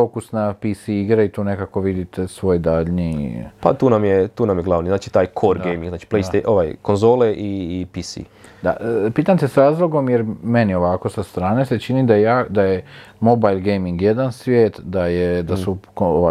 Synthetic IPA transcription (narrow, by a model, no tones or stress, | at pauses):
fokusnapisiiɡɾeit̪uːne̞kako̞ʋid̪it̪esʋo̞jd̪aʎnipa̰t̪uːnamjet̪uːnamjeɡlˠaʋniznaːt͡ʃi̥t̪aːjkʰoɾɡejmĩŋɡznaːt͡ʃi̥plejst̪eʔoʋajkonzo̞ːleʔipisḭ | d̪a̰ʔpiːt̪amt̪esɾaːzlˠo̞ɡo̞mjeɾme̞nio̞ʋako̞sast̪ɾaːne̞se̞t͡ʃinid̪ajejaːd̪ajemo̞bajlɡejmiŋɡjed̪ansʋjeːt̪d̪ajed̪asukooʋa